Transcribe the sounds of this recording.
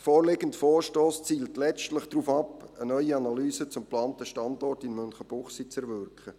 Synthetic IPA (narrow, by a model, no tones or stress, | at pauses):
fɔːɾleɡəntfɔːɾʃtɔːst͡siːltlɛt͡stlɪχd̥ruːfɑpənœʏianalyːsət͡sʊmplaːntəʃtɑndɔrtɪnmœnχəb̥ʊχsit͡sɛɾʋʏɾkχə